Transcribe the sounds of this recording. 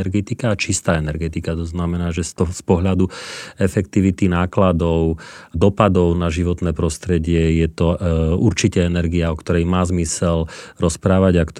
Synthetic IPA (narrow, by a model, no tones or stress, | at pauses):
ɾɡɛt̪ikaːt͡ʃist̪aːɛnɛɾɡɛt̪ikat̪ɔznamɛnaːʒɛst̪ɔspɔɦʎad̪uɛfɛkt̪iʋit̪inaːklad̪ɔʊd̪ɔpad̪ɔʊnaʒiʋɔt̪nɛːpɾɔst̪ɾɛɟɪɛjɛt̪ɔuɾt͡ʃicɛɛnɛɾɡiaɔkt̪ɔɾɛjmaːzmisɛlɾɔspɾaːʋaɟakt̪